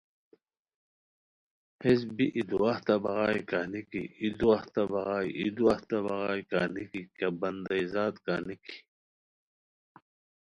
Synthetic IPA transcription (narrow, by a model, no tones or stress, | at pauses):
hes̬biʔid̪uaht̪ɐbɐɣaːjkanikḭid̪uaht̪ɐbɐɣaːiʔid̪uaht̪ɐbɐɣaːjkaːnikikɐbɐnd̪ɐizaːt̪kaniki̥